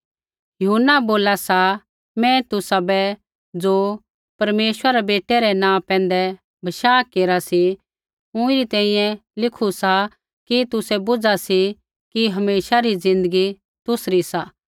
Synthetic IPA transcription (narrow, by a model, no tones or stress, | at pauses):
jɐɦʊnːaboːlasa | mɛ̃t̪ʊsabɛ | d͡zoː | pɐɾmeːʃwɾaɾɛbeːʈːɛɾɛnãːpɛ̃ːn̆d̪ɛ | bʱɐʃaːkeːɾasi | ʊ̃ɪɾit̪ɛ̃ːĩjɛ̃lɪkʰusa | kit̪ʊsɛbʊd͡zasi | kiɦɐmeːʃaɾid͡zɪ̃nd̪əɡi | t̪ʊsɾisa